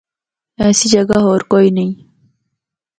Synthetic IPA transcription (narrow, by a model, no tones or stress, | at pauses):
ɛːsid͡ʒɐɡaɦoːɾkoːinɐi